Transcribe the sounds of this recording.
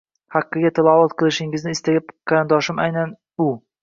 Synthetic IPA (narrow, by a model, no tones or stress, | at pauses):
hɑqːɨɡʲat̪ʰalˠɒvɒt̪̚qʰɨlˠɪʃɪŋɪznɪːst̪aɡʲap̚qʰɑɾɨnd̪ɒʃɪmajnan | ʊ